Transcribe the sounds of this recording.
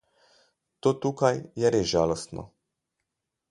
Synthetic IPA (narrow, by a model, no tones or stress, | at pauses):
t̪oːt̪uːkajjɛɾezʒaːlɔst̪nʔɔ̰